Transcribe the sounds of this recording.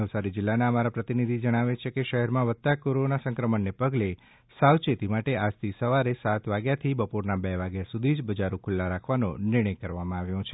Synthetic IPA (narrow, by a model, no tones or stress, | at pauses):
nəʋsaɾid͡ʒɪlːanaəmaɾapɾət̪inid̪ʱid͡ʒəɽ̃aʋet͡ʃʰekeʃəɦɛɾmãʋət̪t̪ːakoɾonasə̃ŋkɾəməɳːepəɡle | sawt͡ʃet̪imaʈead͡ʒt̪ʰisəʋaɾesat̪ʋaɡjat̪ʰibəpoɾnabɛʋaɡjasud̪ʱid͡ʒbəd͡ʒaɾukʰʊlːaɾakʰʋano̰nɪɾɽ̃əjkəɾʋamãaʋjõt͡ʃʰe